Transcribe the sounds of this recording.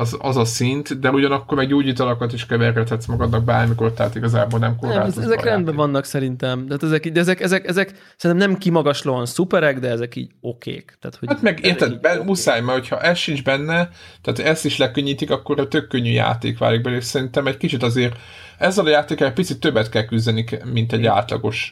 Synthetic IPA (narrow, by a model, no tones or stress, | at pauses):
zɒ̰zɒsint̪d̪ɛuɟɒnɒkːormɛɡɟoːɟiːt̪ɒlɒkɒt̪iʃkɛvɛrɡɛt̪hɛt̪smɒɡɒd̪nɒɡ̚baːrmiko̞rt̪ɛɦaːt̪iɡɒzaːbo̞lnɛmko̞rla̰ːoɛzɛrɛnd̪bɛvɒnːɒksɛɾint̪ɛmt̪aːt̪ɛzɛkiːɟd̪ɛɛzɛkɛzɛkɛzɛk | sɛɾinɛmnɛmkimɒɡɒʃlɒɒnsupɛɾɛɡd̪ɛɛzɛkḭːɟokḛːkt̪a̰ːt̪hoat̪mɛɡeːrt̪ɛd̪bɛmusaːjmɛho̞cʰhɒʔɛsʃind͡ʒbɛnːɛt̪ɛːt̪ʰɛst̪iʃlɛkøɲːiːt̪ikɒkːo̞ɾt̪økːøɲːyja̰ːt̪ḛːkʋa̰ːliɡ̚bɛleːʃsɛɾint̪ɛmɛckit͡ʃit̪ɒzeːr | ɛzːɛlɒjaːt̪eːkɑlɛc̚pit̪sit̪ːøbːɛt̪kɛlkyzd̪ɛnikmint̪ɛɟːa̰ːt̪lɒ̰ɡo̞ʃ